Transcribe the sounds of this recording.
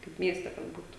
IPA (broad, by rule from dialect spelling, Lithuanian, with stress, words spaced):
kɐɪp ˈmʲiɛsʲtʲɛ kɐt ˈbuːtʊ